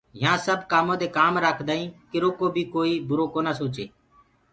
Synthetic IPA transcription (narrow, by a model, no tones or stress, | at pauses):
ɦãːsəbkaːmõːd̪eːkaːmɾaːkʰd̪aːĩːkɪɾoːkoːbʱiːkoːiːbʊɾoːkoːnaːsoːt͡ʃeː